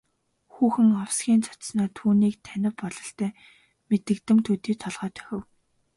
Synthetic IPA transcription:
xuːxɘ̆ŋawsɡʲiːnt͡sʰɔ̥t̪snɔːt̪ʰuːniːkt̪ʰænʲɪ̆pɔɮɞ̆ɬt̪æː | met̪ɘ̆kt̪ɘ̆mt̪ʰɵt̪iːt̪ʰɔɮʁœːt̪ʰœ̥xʲɪ̆w

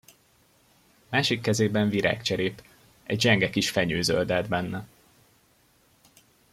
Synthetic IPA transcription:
maːʃikːɛzeːbɛɱviɾa̰ːkt͡ʃɛɾeːp | ɛ̰ɟd͡ʒɛŋɡɛkiʃfɛɲøːzø̰ld̪ɛd̪bɛnːɛ

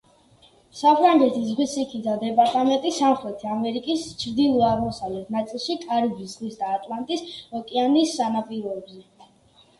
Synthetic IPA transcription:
sapʰɾaŋɡɛt̪ʰizʁwisikʰid̪ad̪ɛpʼaɾt̪ʼamɛnt̪ʼisamχɾɛt̪ʰiamɛɾikʼist͡ʃʰɾd̪ilˠɔaʁmɔsavlɛt̪ʰnat̪sʼilˠʃikʼaɾibiszʁisd̪aːt̪ʼlˠant̪ʼisɔkʼɛanisːanapʼiɾɔɛbzɛ

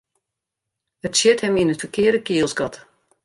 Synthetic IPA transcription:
ətsjɛthɛminətfəkɪərdəkiəlˠsɡɑt

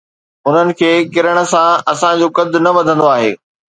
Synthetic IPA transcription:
ʊn̤ənɪ̆kʰeːkɪɾəɽ̃ə̆sãɐsãd͡ʑokɐd̪ʱʊ̆nɐʋɐd̪ʱə̃nd̪oaːɦḛː

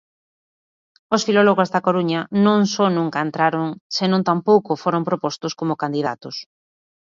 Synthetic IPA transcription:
osfilɔloɣozðakoɾuɲanõŋsɔnũŋkaent̪ɾaɾoŋsenõnt̪ampowkofoɾompɾopost̪ʊskomʊkand̪iða̰t̪ʊs

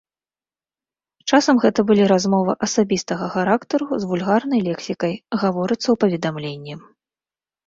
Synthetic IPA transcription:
t͡ʂasɐmɣɛt̪ɐbɨlʲiɾazmɔvɐʔɐsabʲist̪ɐɣɐxaɾakt̪ɐɾuzvulʲɣarnɐjlʲɛksʲikɐjɣavɔɾɨt̪sːɐwpɐvʲɛd̪amlʲenʲːi

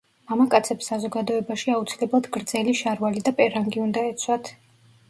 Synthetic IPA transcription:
amakʼat̪sʰɛpsːazɔɡad̪ɔɛbaʃiaut̪sʰilɛblˠad̪ɡɾd̪zɛliʃaɾvalid̪apʼɛɾaŋɡiund̪aɛt̪sʰwat̪ʰ

